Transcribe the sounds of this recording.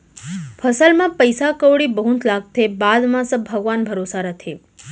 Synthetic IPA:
pʰəsəlmãpəjsakəwɽibəɦũt̪ʰlaɡ̚t̪ʰebad̪mãsəbʱəɡʋanbʱəɾosaɾət̪ʰe

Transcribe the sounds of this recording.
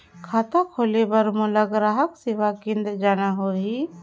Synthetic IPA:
kʰaːt̪akʰoːlebəɾmʊləɡɾaːɦəksiʋakɪ̃nd̪d͡ʒaːnaɦoɦi

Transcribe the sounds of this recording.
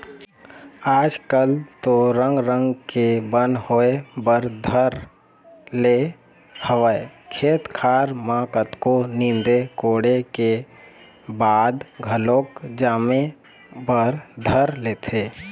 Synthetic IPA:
aːd͡ʒkəlt̪oɾə̃ŋɡɾə̃ŋɡkebə̃nhoebəɾd̪ʱəɾ | le | həʋəekʰeːt̪kʰaːɾmãːkət̪konĩnd̪ekoːɽeke | baːd̪ɡʱəlõːkd͡ʒaːme | bəɾd̪ʱəɾleːt̪ʰeː

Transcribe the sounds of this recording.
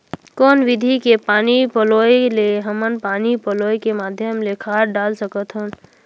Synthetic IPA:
kɔːnʋɪd̪ʱikepaːnipəloːjleɦəmənpaːnipəloːjkemaːd̪ʱjəmlekʰaːɾɖaːlsəkət̪ʰɦən

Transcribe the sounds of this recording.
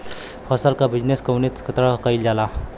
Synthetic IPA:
fəsalkabid͡ʑneskəwnit̪kʰət̪ɾəkaild͡ʑala

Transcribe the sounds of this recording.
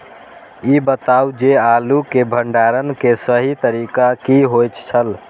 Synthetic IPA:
ibət̪awd͡ʒealukebʱəɳɖaɾənkesəɦit̪əɾikakiɦojt͡ʃt͡ʃʰəl

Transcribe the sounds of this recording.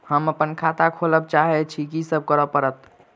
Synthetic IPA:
həməpənkʰat̪akʰoləb̚t͡ʃaɦɛt͡ʃʰikisəb̚kəɾəpəɾət̪

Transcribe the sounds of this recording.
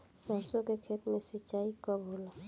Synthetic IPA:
sasõkekʰeːt̪mẽsɪt͡ʃaikɔbʱula

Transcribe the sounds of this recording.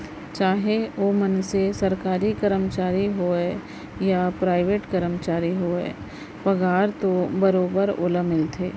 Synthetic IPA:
t͡ʃaːɦeoːmənsesɐɾkaːɾikəɾəmt͡ʃaːɾiɦoːɛ | japɾaːɪʋeːʈkəɾəmt͡ʃaːɾiɦoːḛː | pɐɡaːɾt̪obɐɾoːbəɾo̰ːləmɪlt̪ʰeː

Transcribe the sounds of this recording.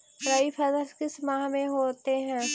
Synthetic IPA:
ɾaipʰɐzəɾskɪsmaːɦmẽɦoːt̪eɦɛ̃ː

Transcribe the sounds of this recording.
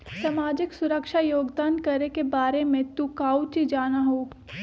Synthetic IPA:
sɐmaːd͡ʒɪksʊɾəkʃajoːɡd̪aːnkɐɾekebaːɾemẽt̪ukaːut͡ʃid͡ʒaːnaɦoːɡ

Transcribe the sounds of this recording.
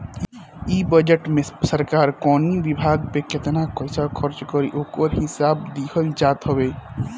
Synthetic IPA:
ibəd͡ʒəʈmesəɾkaɾkɔnibibʱaɡpeket̪nakəɪsakʰəɾt͡ʃkəɾiʔokəɾɦisabd̪ihəld͡ʒat̪ɦɔbe

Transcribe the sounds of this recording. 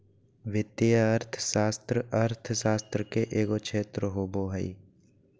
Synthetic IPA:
ʋɪt̪ejəəɾt̪ʰʃaːst̪ɾəəɾt̪ʰʃaːst̪ɾəkeʔeːɡokʃʰeːt̪ɾəɦoːboːɦəḭ

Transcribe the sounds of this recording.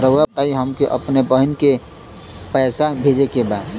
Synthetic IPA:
ɾəwat̪aiɦəmkeʔə̰pnepəɦənke | pəːsabʱed͡ʒekebaːd̪

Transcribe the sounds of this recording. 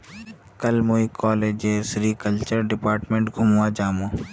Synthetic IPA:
kɐlmoːikʰɔːleːd͡ʒeːsɾiːkəlt͡ʃəɾɖɪpaːɾʈmẽɳʈɡʱʊmwad͡ʒaːmõː

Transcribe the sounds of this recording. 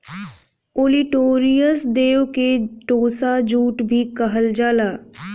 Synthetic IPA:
oːliʈoːɾijəsd̪eːwkeʈoːsad͡ʒuːʈbʱikəɦəld͡ʒaːlaː

